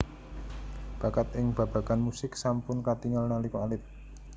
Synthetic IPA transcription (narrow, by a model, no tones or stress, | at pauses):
b̥akat̪̚ɪŋb̥ä̤b̥a̤kanmusɪksampʊnkat̪iŋalnalikoalɪp̚